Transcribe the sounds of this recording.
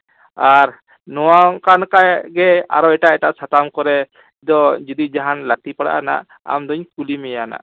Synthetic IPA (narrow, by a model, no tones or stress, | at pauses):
aɾ | nɔwakankajɡɛa̰ɾɔɛʈaɛʈaʔsat̪amkɔɾɛ | ɛd̪ɔd͡ʒɔd̪id͡ʒaɦanlat̪ipaɽa̰ʔa̰na̰ʔ | a̰md̪ɔɲkulimɛjana̰ʔ